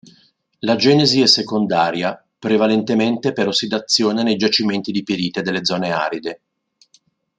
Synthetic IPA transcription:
lad͡ʒɛːneziɛsekond̪aːɾja | pɾevalent̪ement̪epeɾosːid̪at̪sːjoːnenejd͡ʒat͡ʃiment̪id̪ipiɾiːt̪ed̪elːed̪zɔːnea̰ːɾid̪e

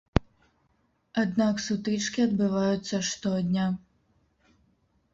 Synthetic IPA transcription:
ad̪naksut̪ɨt͡ʂkʲiɐd̪̚bɨvajut̪sːɐʂt̪ɔd̪ʲnʲa

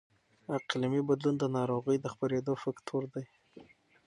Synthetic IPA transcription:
aqlimibad̪lund̪ənɑɾoɣəjd̪əxpaɾed̪ofakt̪ʰuɾd̪aj

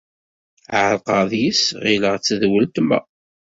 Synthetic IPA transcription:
ʕəlqɑðjisʁiləʁt͡sːəðwəlt̪mæ̰

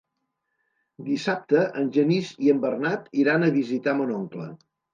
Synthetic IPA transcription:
d̪isap̚t̪əʔənʲʒəniziəmbərnat̪iɾanəβizit̪amənɔŋklə̰

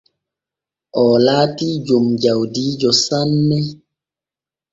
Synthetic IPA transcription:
ʔɔːlaːtid͡ʒomd͡ʒawdid͡ʒɔsanːɛ

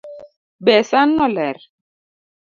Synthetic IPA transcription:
bɛsanːɔlɛɾ

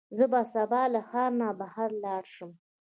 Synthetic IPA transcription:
zəbɑsabɑlaxɑːɾnabahaɾlɑɽʃəm

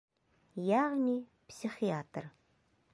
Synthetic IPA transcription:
jaʁnʲipsʲiχiat̪r

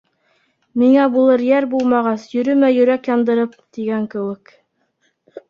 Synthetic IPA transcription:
miŋæbulˠɤɾjæɾbulˠmɑʁɑsjɵ̆ɾɵmæjɵ̆ɾækjɑnd̪ɤ̆ɾɤp̚t̪iɡæŋkɘ̆wɘk

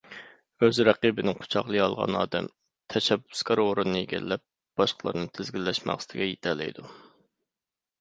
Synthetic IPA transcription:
øzɾɛqibɪnɪŋqʰʊ̥t͡ʃʰɑχlˠɨɑlˠʁɑ̰nɑ̰ːd̪ɛm | t̪ʰɛʃɛbːʊ̥skɑɾoɾɨnːɨjeɡʲɛ̰lːɛp̚ | b̥ɑʃqʰəlˠɑ̰ɾnɨt̪ʰɪzɡʲilːɛʃmɑ̰χsɨ̥t̪ʰɪɡʲɛjet̪ʰɛlɛ̰jd̪u

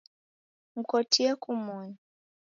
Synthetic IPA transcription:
m̩kɔtiɛkumɔɲ

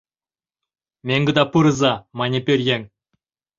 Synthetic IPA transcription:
mʲeŋɡɨd̪apuɾɨzamanʲepʲeɾjeŋ

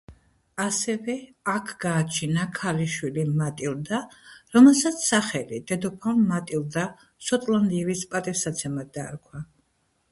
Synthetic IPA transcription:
asɛvɛakʰɡaːt͡ʃʰinakʰaliʃwilimat̪ʼilˠd̪aɾɔmɛlˠsat̪sʰsaχɛlid̪̥ɛd̪ɔpʰammat̪ʼilˠd̪a | sɔt̪ʼland̪ivispʼat̪ʼifsat̪sʰɛmad̪aɾkʰwa

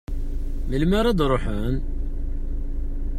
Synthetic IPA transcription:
məlmæɾˤæd̪ɾˤoħən

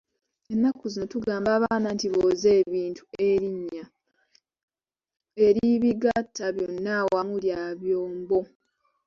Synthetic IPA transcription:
e̞nːakːuzino̞tuɡaːmbaːβaːnantiβoːze̞ːβiːntʰu̥e̞ɾiɲːa | e̞ɾiiβiɡatʰːaβjonːawamuljaːβjoːmbo̞

